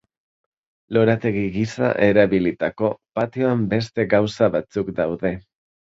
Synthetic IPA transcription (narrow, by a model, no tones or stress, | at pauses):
lo̞ɾat̪e̞ɣiɣisa̰ʔe̞ɾaβilit̪ako̞pat̪io̞ambe̞st̪e̞ɣawsaβat͡sukd̪awðe̞